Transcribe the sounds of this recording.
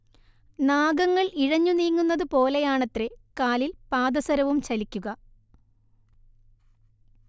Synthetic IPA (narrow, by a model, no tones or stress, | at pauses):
naːɡɐŋːɐɭiɻɐɲːuniːŋːunːɐðɨpo̞ːle̞jaːɳɐt̪ːɾekaːlilpaːd̪ɐsɐɾɐʋumt͡ɕɐlikʲːuɣɐ